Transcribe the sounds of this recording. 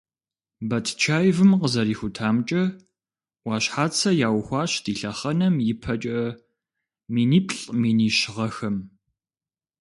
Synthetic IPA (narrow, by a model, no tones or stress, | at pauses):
bɐtʰt͡ʃʰaːjvɨmqəzɐɾiːxʷʊtʰaːmt͡ʃʼɐ | ʔʷwɑːɕħaːt͡sʰɐjaːwxʷɑːɕdʰiːɬɐχɐnɐmjɪpʰɐt͡ʃʼɐ | miːniːpʰɬʼmiːniːɕɪʁɐxɐm